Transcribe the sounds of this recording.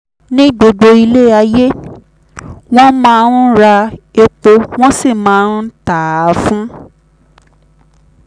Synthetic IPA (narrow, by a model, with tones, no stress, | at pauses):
nĩ˦ɡ͡bo˨ɡ͡bo˧i˧le˦˨a˧je˦ | w̃ɔ̃˦mãː˦˧˦n˦ɾa˧e˧k͡po˧w̃ɔ̃˦si˦˨mãː˨˦n̩˦ta˨˦fũ˦